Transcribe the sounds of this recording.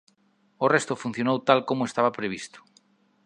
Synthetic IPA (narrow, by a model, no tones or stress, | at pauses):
orest̪ofun̟θjonowt̪alkomoest̪aβapɾeβ̞ist̪o̥